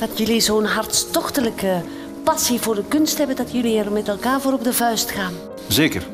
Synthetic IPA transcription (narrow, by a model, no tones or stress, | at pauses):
d̥ɑtjɵlizonɦɑrtstɔχtələkə | pɑsivʊːɹdəkɵnstɦɛbəndɑtjɵliɛrmɛtɛlˠkaːɹvoːɾɔb̚dəvœɥstχaːn | zeːkə̰r